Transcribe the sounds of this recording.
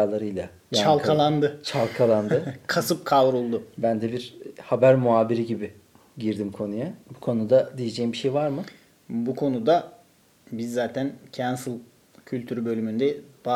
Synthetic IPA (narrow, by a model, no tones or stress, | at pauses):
alˠaɾɯjlˠa | jt͡ʃaalˠkʰalˠand̪ɯt͡ʃʰalˠkʰalˠand̪ɯkʰasɯp̚kʰavɾulˠd̪ʊbænd̪ɛbiɾhabæɾmuaːbiɾiɟibi | ɟiɾd̪imkʰo̞nujabukʰo̞nud̪ad̪ijed͡ʒɛjimbiʃejvaɾmɯ | bukʰo̞nud̪a | bizːaːt̪ʰæncʰænsɯlˠ | cʰylʲt̪ʰyɾybø̞lʲymynd̪ɛba